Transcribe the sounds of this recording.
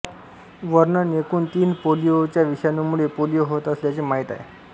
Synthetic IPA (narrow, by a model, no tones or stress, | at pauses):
ʋəɾnənekuːnt̪iːnpolijot͡ɕjaʋiʂjanumuɭepolijoɦot̪əsljat͡semaɦit̪a̰ḛ